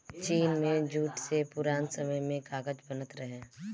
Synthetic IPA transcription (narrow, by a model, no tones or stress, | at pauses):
t͡ʃiːnmẽd͡ʒuːʈsepʊɾaːnsəməjmẽkaːɡəd͡ʒbənət̪ɾəɦẽː